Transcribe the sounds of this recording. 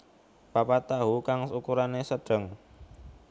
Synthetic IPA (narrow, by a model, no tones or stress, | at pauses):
b̥apat̪aɦukaŋsukuɾanesəɖ̥ə̤ŋ